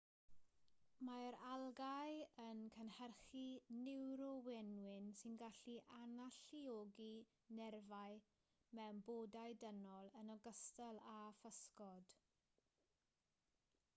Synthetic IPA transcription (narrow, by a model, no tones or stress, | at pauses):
maɾalˠɡajənkʰənhɛrχinɪwɾɔwɛnwɪnsɪnɡaɬiʔanaɬioɡi | nɛrvaj | mɛwmboːdajdənɔlˠənɔɡəstəlˠafəskɔd̥